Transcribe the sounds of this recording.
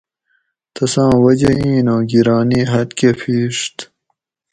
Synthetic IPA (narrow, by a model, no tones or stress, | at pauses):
t̪ɐsɑ̃ːwɐd͡ʑeĩːnoːɡiɾɑːniːɦɐt̪keːfʰiːʂt̪